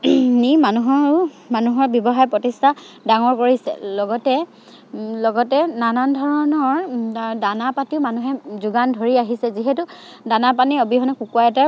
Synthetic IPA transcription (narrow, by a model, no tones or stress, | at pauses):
nimanuɦɔ | manuɦɔɹbjɔbɔɦajpɹɔtistʰa | daŋɔɹkoɹisɛ̰lɔɡɔtɛ | lɔɡɔtɛnanandʱɔɹɔnɔɹadanapatiʊmanuɦɛzuɡandʱoɹiaɦisɛziɦɛtu | danapaniobiɦɔnɛkukuajɛtɛ